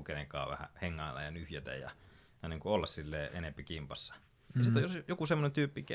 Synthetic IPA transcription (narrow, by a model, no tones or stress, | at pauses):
keneŋkɑ̰ːʋʋæ̰hæ̰heŋːɑilːɑ̰jɑnyhjæt̪æ̰jjɑ̰ | jɑniːŋkuolːɑssilːeːʔḛnempikimpɑsːɑ̥ | nisit̪ojosjokusemːonent̪yːpːike